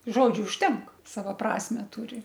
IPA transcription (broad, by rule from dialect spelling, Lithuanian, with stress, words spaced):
ˈʒoːd͡ʒʲʊ ʊʃʲˈtʲɛŋk ˈsɑːʋoː ˈprɑːsʲmʲɛ ˈtʊrʲɪ